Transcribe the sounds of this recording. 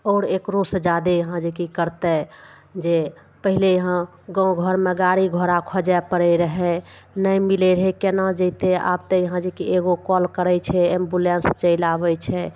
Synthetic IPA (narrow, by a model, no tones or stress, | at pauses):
ɔːɾekɾosəd͡ʒad̪ejəɦãd͡ʒekikəɾt̪ɛ | d͡ʒe | pəɦilejəɦã | ɡɔ̃ɡʱəɾmeɡaɽiɡʱoɾakʰɔd͡ʒɛpəɾɛɾəɦɛnəjmilɛɾəɦɛkenad͡ʒət̪ea̰bt̪ejəɦãd͡ʒekieɡokɔlkəɾɛt͡ʃʰɛembulenst͡ʃəɪlabɛt͡ʃʰɛ